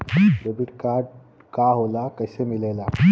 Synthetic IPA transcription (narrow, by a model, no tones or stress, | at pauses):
ɾebiʈkaɾɖ | kaɦolakəɦsemilela